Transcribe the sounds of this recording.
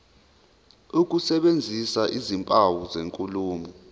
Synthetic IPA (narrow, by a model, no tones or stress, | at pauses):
uk̬ʼusɛɓend͡zʱisaʔizimpʼawuzeŋkʼuluːmu